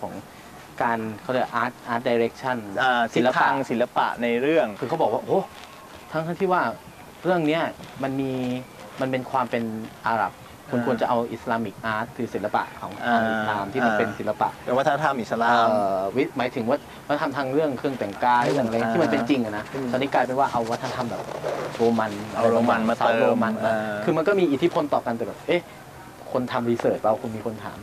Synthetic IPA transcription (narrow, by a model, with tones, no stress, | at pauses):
kʰɔː˩˦ŋ | kaː˧nkʰa˦˥˩ɾa˧˩ʔaː˦˥t̪̚ʔaː˦˥t̪̚daː˧jɾe˦˥k̚t͡ɕʰa˥˩na˧si˨˦lːa˧a˧ŋsi˨˩˦la˧pa̰˨˩ʔna˧jɾɯ˥˩əŋkʰɯː˧kʰwbɔː˨˩k̚waː˥˩ʔoː˦˥˩ | t̪ʰa˦˥ŋtʰa˥ŋt̪ʰiː˥˩waː˥˩ | ɾɯ˥˩əŋni˦˥ɐma˧nmiː˧ | ma˧npe˧nkʰwaː˧mpe˧nʔaː˧ɾa̰˨˩p̚ | kʰu˧nkʰu˧ənt͡ɕa˨ʔa˧wʔḭ˨˩slaː˧mi˨˩k̚ʔaː˦˥t̪̚ʰːɯː˨˦si˨˩˦nla˧pa̰˨˩ʔkʰɔː˩˦ŋaː˧mi˩˨slaː˧mt̪ʰiː˥˩ma˧npe˧nsi˩˦la˧pa̰˨˩ʔ̪ɛː˨˩waː˥˩a˥˩t̪ʰa˧mʔi˨˩sa˧laː˧wi˦˥maː˩˦jt̪ʰɯ˨˩˦ŋwaː˥˩wa˦˥t̪ʰa˧mt̪ʰaː˧ŋɾɯ˥˩əŋkʰɯ˥˩əŋt̪ɛ˨˩˦ŋkaː˧jɾɯ˥˩˨ŋʔa˧a˧˨˩tiː˥˩ma˧pe˧nt͡ɕi˧ŋʔa˨˩na˦˥sa˧ni˦˥˩kaː˧jpe˧nwaː˥˩ʔa˧wwt̪ʰa˧t̪ʰa˧mbɛː˨˩p̚ɾoː˧ma˧na˨˧oː˧ma˧na˧sa˦wɾoː˧ma˧na˧˦kʰɯː˧ma˧nkɔː˥˩miː˧ʔi˨˩t̪ʰi˦˥pʰo˧nt̪ɔː˨˩ka˧nt̪ɛː˨˩bɛː˨˩ʔeː˦˥ | kʰo˧nt̪ʰa˧mɾiː˧˥sɤː˨˩t̪̚pa˧wkʰu˧nmiː˧kʰo˧nt̪ʰa̰ː˩˦m